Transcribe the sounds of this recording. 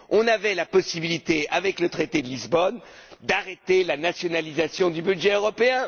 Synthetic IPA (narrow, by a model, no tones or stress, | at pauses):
ɔ̃navɛlapɔsibilit̪eavɛklət̪χet̪ed̪əlizbɔnd̪aʁet̪elanasjɔnalizasjɔ̃d̪ybydʒɛøʁɔpeɛ̃